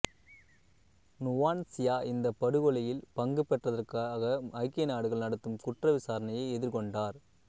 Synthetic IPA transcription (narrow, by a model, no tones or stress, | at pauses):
nʊʋaːnsɪjaːʔɪnd̪ɐpːɐɽɯɣɔɭɐjɪlpɐŋɡɯpːɛʈrɐðɐrkaɣɐɐɪkːɐjnaːɽɯɣɐɭnɐɽɯt̪ːɯmkʊʈrɐʋɪsaːɾɐnɐjɐɪɛðɪɾkɔɳɖaːɾ